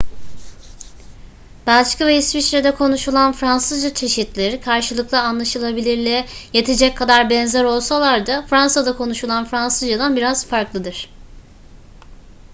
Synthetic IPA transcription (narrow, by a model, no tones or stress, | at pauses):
balʲt͡ʃciveisfit͡ʃɾed̪ɛkʰo̞nuʃulˠanfɾansɯzd͡ʒat͡ʃʰe̞ʃit̪lʲeɾikʰaɾʃɯlˠɯklˠaːnlˠaʃɯlˠabilʲiɾlʲɛje̞t̪ʰe̞d͡ʒɛc̚kʰːad̪aɾbɛnzɛɾo̞lˠsalˠaɾd̪afɾansad̪akʰo̞nuʃulˠanfɾansɯzd͡ʒad̪anbiɾaz̥faɾklˠɯd̪ɯɾ̥